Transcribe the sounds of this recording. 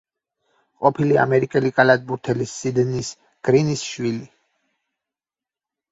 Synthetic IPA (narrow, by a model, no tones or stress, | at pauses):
qʼɔpʰilia̰mɛɾikʼɛlikʼalad̪̚ʼbuɾt̪ʰɛlisːid̪nis | ɡ̥ɾinisʃwili